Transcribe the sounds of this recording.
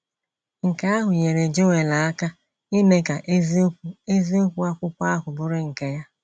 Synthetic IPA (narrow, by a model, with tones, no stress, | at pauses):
ŋ̩˨ka˦a˦ɦʊ˨ɲe˨ɾe˨d͡ʒo˦we˨la˨a˦ka˦ | i˦ne˦ka˨ʔe˦zku˦e˦zi˦o˦kʷu˦a˦kʷʊ˦kʷa˦a˦ɦʊ˨bʊ˦ɾɪ˦ŋ̩˨ke˦ja˦